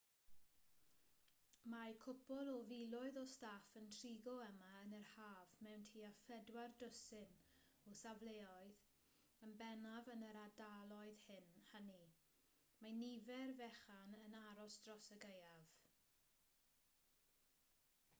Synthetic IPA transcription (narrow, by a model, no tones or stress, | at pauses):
majkʰʊpɔlˠɔvilˠʊɨðɔstafəntʰriɡɔəmaənərhaːvmɛwntʰiːafɛdwardəsɪn | usavleːɔɨð | ənbɛnavənəɾadalˠɔɨðhɪnhani | manivɛrvɛχanənaɾɔsd̥rɔsəɡejav̥